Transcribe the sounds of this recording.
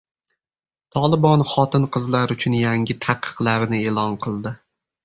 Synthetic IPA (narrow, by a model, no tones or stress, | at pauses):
t̪ʰɒlˠɪbɒnχɒt̪ʰɪnqʰɨzlaɾʊt͡ʃʰʊnjaŋʲɪt̪ʰɑqʰːɨ̥qlˠaɾnɪe̞lˠɒnqʰɨlˠd̪ɪ